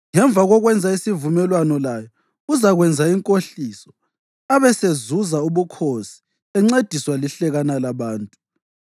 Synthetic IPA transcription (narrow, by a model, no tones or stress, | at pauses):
ŋɛɱb̪vʱaɣɔɣwɛnd͡zʱaisivumɛlwanɔlajɔ | uzaɣwɛnd͡zʱaiŋkʼoɬisɔ̥ | aβɛsezuzauβukʰosi̥ | ɛŋ͡ǀed̥ʱiswaliɬɛɣanalaβaːntʼu